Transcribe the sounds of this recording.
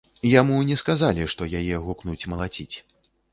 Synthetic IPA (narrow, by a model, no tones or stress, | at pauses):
jamunʲɛskazalʲiʂt̪ɔjajɛɣuknut͡sʲmɐlˠat͡sʲit͡sʲ